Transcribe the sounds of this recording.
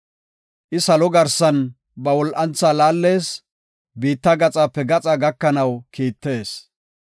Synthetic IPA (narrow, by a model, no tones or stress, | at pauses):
ʔɪsɐlɔɡɐɾsɐn | bɐwɔlʔɐnt͡sːaːlaːlːe̞ːs | biːt̪ːɐɡɐt͡sʼaːpːɛɡɐt͡sʼaɡɐkːɐnɐwkiːt̪ːe̞ːs